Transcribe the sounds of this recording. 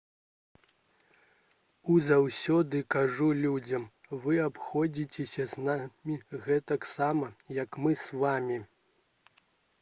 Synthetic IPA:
uzawsʲɔd̪ɨkaʐulʲud͡zʲɐmvɨapxɔd͡zʲit͡sʲesʲɐznamʲiɣɛt̪ɐksamɐjɐkmɨsvamʲi

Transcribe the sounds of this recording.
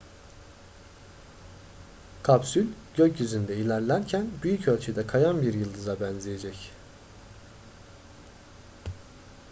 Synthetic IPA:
kʰapsylʲɟ̥øcjyzynd̪ɛilʲæɾlʲæɾcʰænbyjycʰølʲt͡ʃʰɛd̪ɛkʰajanbiɾjɯlˠd̪ɯzabænzijed͡ʒɛc

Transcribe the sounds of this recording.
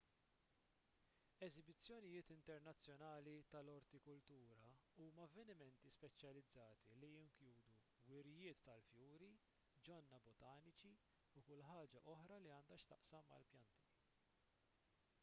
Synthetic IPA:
ɛzɪbɪt͡sːjɔnɪjɪːt̪ɪnt̪ɛɾnɐt͡sːjɔnɐːlit̪ɐlɔɾt̪ikʊlt̪uːɾɐuːmɐɐvːɛnɪmɛnt̪ispɛt͡ʃjɐlɪd͡zːɐːt̪ilijɪŋkjuːd̪u | wɪɾɪjɪːt̪ːɐlfjuːɾi | d͡ʒɔnːɐbɔt̪ɐːnɪt͡ʃi | ukʊlħɐːd͡ʒɐʔɔħɾɐliɐːnd̪ɐʃt̪ɐʔsɐmːɐ̰lpjɐnt̪i̥

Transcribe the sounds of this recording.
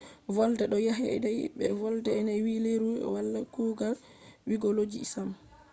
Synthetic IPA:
vɔldɛɗɔjaɦɛ̰dɛjɓɛ̰vɔldɛːnawileɾuɛ̰walːakuɡal | wiɡolod͡ʒḭisam

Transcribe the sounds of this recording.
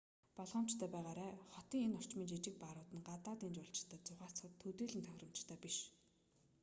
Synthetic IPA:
pɔɮʁə̆m̥t͡ɕt̪ʰœːpæːʁaːɾæːχɔt̪iːŋenɔr̥t͡ɕmiːnt͡ɕit͡ɕɪ̆k̚paɾʊːt̪ə̆nɢat̪aːt̪iːnt͡ɕʊɮt͡ɕt̪ʰæːt͡sʊʁaːt͡sχə̆t̪ʰːɵt̪eːɮɘ̆nt̪ʰœxʲrə̆m̥t͡ɕt̪ʰœːpiʃ

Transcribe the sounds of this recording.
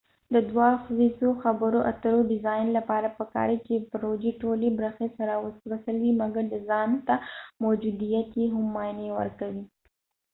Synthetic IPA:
d̪əd̪wɑxzizoxabəɾoʔa̰t̪əɾoɖɪzɑjnlapɑɾapəkɑ̰ɾit͡ʃepɾod͡ʒiʈolebɾəxesaɾawəswəsəlwimaɡaɾd̪əzɑnt̪amod͡ʒud̪ijat̪jeɦʊmːɑjnewə̰ɾkawi

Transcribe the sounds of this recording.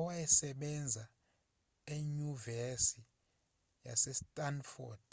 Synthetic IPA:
wajɛsɛɓɛnd͡zʱa | eɲuvɛsi | ja̰sɛstʼanfɔd̥

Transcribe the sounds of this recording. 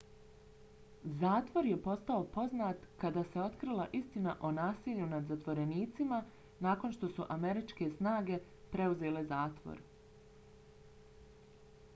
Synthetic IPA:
zaːt̪ʋo̞ɾje̞po̞st̪ao̞po̞znat̪kad̪aːse̞o̞t̪kɾilˠaʔist̪inaʔo̞naːsiʎunad̪zat̪ʋo̞ɾe̞niːt̪sima | naːko̞nʃt̪o̞suʔame̞ɾit͡ʃke̞snaːɡe̞ | pɾe̞uze̞ːle̞zaːt̪ʋo̰ɾ

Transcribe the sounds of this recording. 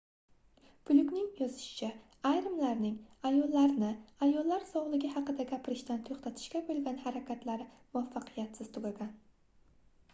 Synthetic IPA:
pʰʊlʊkʲnɪŋjɒzɪʃɪ̥t͡ʃʰa | ajɾɪmlaɾnɪŋajɒlˠːaɾnɪajɒlˠːaɾsɒwlˠɪɡʲɪhɑqɨd̪aɡʲapʰɪɾɪʃt̪ant̪ʰoχt̪ʰat̪ʰɪ̥ʃkʲabolˠɡʲanhaɾakʲat̪ʰlaɾɪmʊafːɑqʰɨjat̪sɪz̥t̪ʰʊɡʲaɡʲan

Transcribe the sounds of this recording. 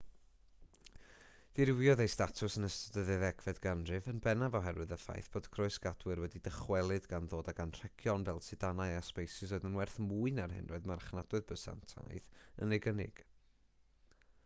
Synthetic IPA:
d̥iɾɪwijɔðejstatʰʊsənəstədəðɨðɛɡvɛdɡanrɨvənbɛnavɔɦɛrwɨðəfa̰jθb̥oːd̥kʰrɔɨsɡ̥adwɨrwɛdidəχwɛlˠɨdɡanðoːdaɡanr̥ɛkʰjɔnvɛlˠsɨd̥anaɨaspejsɪsoɨðənwɛrθmuːɨnarɦɪ̰nrɔɨðmarχnad̥wɨðbəsa̰ntʰa̰jðə̰nɪɡənɪ̰ɡ̥

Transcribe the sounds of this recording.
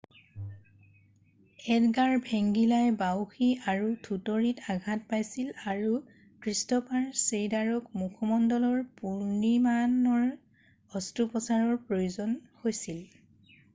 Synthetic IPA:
ɛdɡaɹbʱeŋɡilajbawxiaɹutʰutɔɹitaɡʱat̚pajsilaɹu | kɹistɔpaɹsejdaɹɔkmukʰɔmɔndɔlɔɹpuɹnimanɔɹ | ɔstupɔsaɹɔɹpɹojozɔnhojsil

